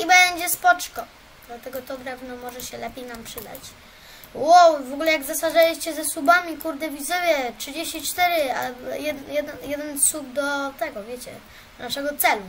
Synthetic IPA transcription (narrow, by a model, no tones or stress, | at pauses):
ibɛɲd͡ʑɛspɔt͡ʂkɔ | d̪̥lat̪ɛɡɔt̪ɔɡɾɛvnɔmɔʐɛɕɛlɛpʲjejnampʂɘd̪a̰t͡ɕ | wowvɔɡulɛjaɡzasaʐalʲiɕt͡ɕɛzɛsubamʲikuɾd̪ɛvʲizɪvjɛtʂɘd͡ʑeɕt͡ɕit͡ʂt̪ɛɾɘajɛd̪jɛd̪ɛnjɛd̪ɛnsub̚d̪ɔt̪ɛɡɔvʲjet͡ɕɛ̰ | naʂɛɡɔt̪sɛlu